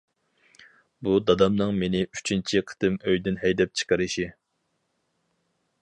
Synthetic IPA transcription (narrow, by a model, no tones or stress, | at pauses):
bud̪ɑd̪ɑmnɨŋmenɪyt͡ʃʰint͡ʃʰiqʰə̥t̪ʰɨmøjd̪ɪnɦɛjd̪ɛp̚t͡ʃʰə̥qəɾɨʃi